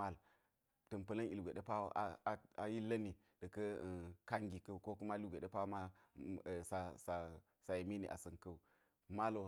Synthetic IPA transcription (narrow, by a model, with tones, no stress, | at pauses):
a˦l | tɐ˨npɐ˨lɐ˦ni˨lɡʷe˨ɗe˦pa˦w̰ʔa̰˨a˨a˨ji˦lɐ˦ni˨ | d̥ɐ˨kə˦˨ka˦ŋɡi˨kɐ˦u˨ko˦ku˦ma˦lu˦ɡʷe˨ɗe˦pa˦ma˦˨ | sa˨sa˨ | sa˨je˨mi˦nḭ˨ʔa̰˨sɐ˨nkɐ˦u˨ | ma˦lo˨